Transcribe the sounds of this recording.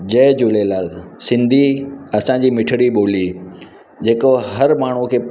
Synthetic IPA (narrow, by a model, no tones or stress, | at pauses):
d͡ʑɐːd͡ʑulelaːlsɪ̃nd̪ʱiɐsãd͡ʑiːmɪʈʰɪɽiɓoːli | d͡ʑeːkoɦɐɾmaːɳ̤ukʰeːp